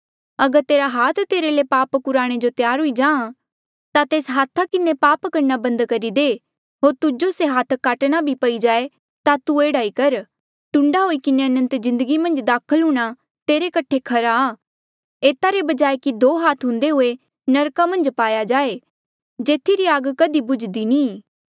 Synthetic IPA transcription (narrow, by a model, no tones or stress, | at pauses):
ɐɡəɾt̪eːɾaɦaːt̪ʰt̪eːɾelepaːpkʊɾaːɽ̃ed͡ʒot̪jaːɾɦʊid͡ʒãːã | t̪at̪eːsɦaːt̪ʰːakɪnepaːpkɐɾnabɐ̃nd̪kɐɾid̪e | ɦoːɾt̪ʊd͡ʒoseɦaːt̪ʰkaːʈɽ̃abʱipɐid͡ʒaːe | t̪at̪ueːɽaːikɐɾ | ʈʊ̃ɳɖaɦoːikɪneɐnə̃nt̪zɪ̃nd̪əɡimɐ̃nd͡ʒd̪aːkʰəlɦʊɽ̃a | t̪eːɾekɐʈʰekʰɐɾaː | eːt̪aɾebɐd͡ʒaːekid̪ʱoːɦaːt̪ʰɦʊ̃nd̪eɦʊe | nɐɾkamɐ̃nd͡ʒpaːjad͡ʒaːe | d͡ʒeːt̪ʰiɾiaːɡkɐd̪ibʊd͡ʒd̪inĩː